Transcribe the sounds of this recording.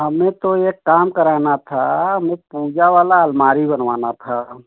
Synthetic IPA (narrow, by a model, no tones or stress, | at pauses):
ɦəmẽt̪oekːaːmkəɾaːnat̪ʰaɦəmẽpuːd͡ʒaʋaːlaəlmaːɾibənʋa̰ːnat̪ʰa